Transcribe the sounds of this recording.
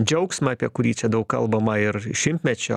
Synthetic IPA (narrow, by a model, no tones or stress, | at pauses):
d͡ʒʲɛʊksʲmʲɐɐpʲiɛkʊɾʲiːt͡ʃʲɛd̪ɐʊkkɐ̰lˠbɐmɐɪɾʃʲɪmʲt̪ʲmʲɛt͡ʃʲʊ